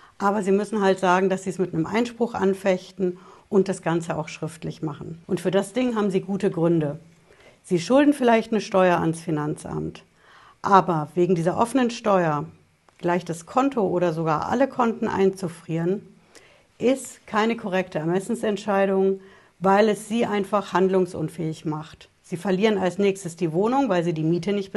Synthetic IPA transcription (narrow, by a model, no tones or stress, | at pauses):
ʔaːbɐziːmʏsn̩ɦaltz̥aːɡŋ̩dasz̥iːɛsmɪtnəmʔa̰ɪnʃpʁ̥ʊχʔa̰nfɛçtn̩ʔʊnt̚d̥asɡ̥ant͡səa̰ʊxʃʁ̥ɪftlɪçmaχn̩ʔʊntfyːɐdasd̥ɪŋɦaːbm̩ziːɡuːtəɡʁʏndə | z̥iːʃʊldn̩fɪlaɪçtnəʃtɔʏɐa̰nsfinant͡sʔa̰mt | ʔaːbɐveːɡŋ̩diːzɐʔɔfənənʃtɔʏɐ | ɡ̥laɪçd̥askʰɔntʰoʔoːɾɐzoɡa̰ːɐʔa̰ləkʰɔntn̩ʔa̰ɪnt͡sufʁ̥iːʁən | ʔɪstkʰaɪnəkʰɔʁ̞ɛktʰəɛɐmɛsn̩sɛntʃaɪɾʊŋ | vaɪlɛsz̥iːʔaɪnfaχhandlʊŋsʔʊ̰nfɛːɪçmaχt | z̥iːfɛɐliːʁənalsnɛːçstəsd̥iːvoːnʊŋvaɪlziːdiːmiːtʰənɪçt̚b̥ə